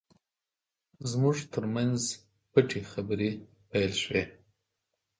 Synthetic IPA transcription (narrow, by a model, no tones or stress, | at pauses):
zmʊʐt̪ʰəɾmanz | pəʈʰexabɾe | pajlʃwe